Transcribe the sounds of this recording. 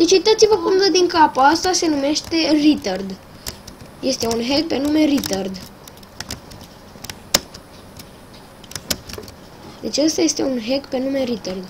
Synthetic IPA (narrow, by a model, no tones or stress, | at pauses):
d̪̥et͡ʃujt̪at̪sivəpɨŋɡəd̪iŋkapaast̪ase̞nume̞ʃt̪e̞rit̪ərd̪ | je̞st̪e̞unɦe̞k̚pe̞nume̞rit̪ərd̪ | d̪e̞t͡ʃəst̪aje̞st̪e̞unɦe̞ɡpe̞nume̞ɾit̪ərd̪